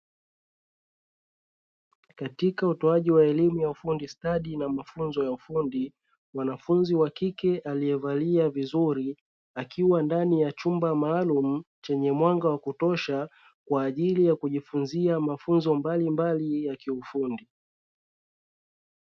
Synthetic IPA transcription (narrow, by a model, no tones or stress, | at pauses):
katikautɔaʄiwaɛlimujaufundistaɗinamafunzɔjaufundi | mwanafunziwakikɛʔalijɛvaliavizuɾi | akiwandanijat͡ʃumbamaːlum̩t͡ʃɛɲɛmwaŋɡawakutɔʃa | kwaːʄilijakuʄifunziamafunzɔmbalimbalijakiufundi